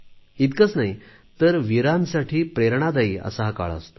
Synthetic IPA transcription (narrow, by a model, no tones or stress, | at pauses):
it̪kət͡snaj | t̪əɾʋiɾansaʈʰiːpɾeɾɳ̃ad̪aiə̰saɦaka̰ɭə̰st̪o